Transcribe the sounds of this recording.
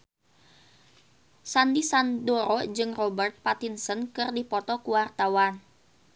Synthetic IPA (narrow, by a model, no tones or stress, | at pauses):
sandisandɔɾɔd͡ʒɨŋrɔbərt̪̚pat̪insənkɨrdipɔt̪ɔkuwart̪awan